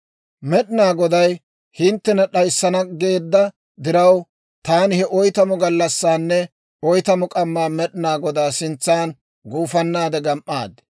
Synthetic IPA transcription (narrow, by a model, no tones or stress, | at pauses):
mɛɗɪnaːɡɔd̪ɐj | hɪnt̪ːɛnɐɗɐjsːɐnɐɡe̞ːd̪ːɐ | d̪ɪɾɐw | t̪aːnɪhɛʔɔjt̪ɐmʊɡɐlːɐsːaːnːɛ | ɔjt̪ɐmʊkʼɐmːaːmɛɗɪnaːɡɔd̪aːsɪnt͡sːaːn | ɡuːfɐnːaːd̪ɛɡɐmʔa̰ːd̪